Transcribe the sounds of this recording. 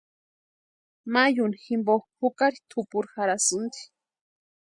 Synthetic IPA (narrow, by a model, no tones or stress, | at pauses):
majuniximboxhukaɾit̪ʰʊpuɾxaɾasʊnd̪i̥